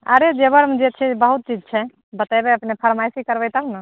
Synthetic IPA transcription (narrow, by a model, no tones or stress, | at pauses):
ə̰ɾed͡ʒebəɾmd͡ʒet͡ʃʰɛbəɦut̪̚t͡ʃid͡ʒt͡ʃʰɛ | bət̪ajbeəpnepʰəɾmajsikəɾbɛjt̪əbnə